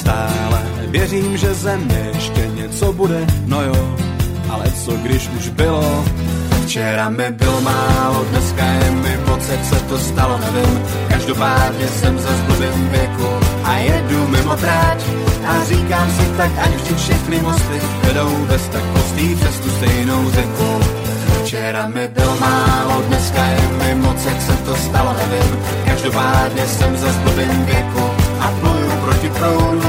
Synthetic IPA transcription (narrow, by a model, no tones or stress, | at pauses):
st̪aːlɛ | vjɛriːmʒɛzɛmɲɛjɛʃcɛɲɛt͡sobudɛnojoː | ʔalɛt͡soɡdɪʃuʒbɪloft͡ʃɛɾamɪbɪlomaːlodnɛskajɛmɪmot͡sɛtsɛt̪ost̪alonɛvɪm | kaʒdopaːd̪ɲɛsɛmzazbubɛɲiːvjɛkuʔajɛdnumɪmot̪ɾaːt͡ʃʔariːkaːmsɪt̪akʔacvʒdɪfʃɛxnɪmost̪lɪ | vɛdo̞wbɛst̪ak̚post̪iːbrɛst̪ust̪ɛjno̞wrɛku | t͡ʃɛɾamɪdɛlmaːlodnɛskajɛmɪmot͡sjaksɛt̪ost̪alonɛvɪm | kaʒdopaːdɲɛsɛmzazblobɛɲiːvjɛkuʔaplojupɾocɪt̪ɾowdu